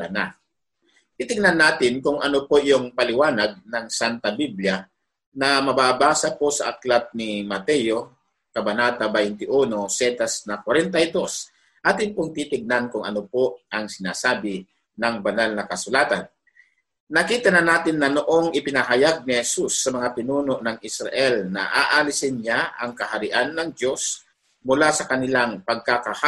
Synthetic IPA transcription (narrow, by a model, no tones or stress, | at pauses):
ɐna̰ | t̪it̪ɪɡ̚nanːaːt̪ɪnkʊŋʔɐnopoʔjʊŋpɐlɪwaːnɐɡ̚nɐŋsant̪ɐbiblja | nɐmɐbaːbaːsɐposɐ̰ʔɐklat̪̚nɪmɐt̪ɛjo̞ | kɐbɐnaːt̪ɐbɐɪnt̪ɪʔuːno̞sɛt̪ɐsnɐkwɐɾɛnt̪ɐjd̪o̞s | ʔaːt̪ɪnpoŋt̪it̪ɪɡ̚nankʊŋɐ̰nopo̞ʔɐŋsɪna̰ːsaːbɪ | nɐŋbɐnalnɐkɐsʊlaːt̪anː | ɐkiːt̪ɐnɐnaːt̪ɪnːɐnoʔo̞ŋɪpɪnɐɦɐjaɡ̚nɪhɛsusːɐmɐŋapɪnuːno̞ʔnɐŋʔɪsɾɐ̰ʔɛlnɐ̰ʔaːʔalɪsɪnɲaʔɐŋkɐɦɐɾɪʔanːɐŋd̪jo̞s | mʊlasɐkɐnɪlaŋpɐɡ̚kakɐha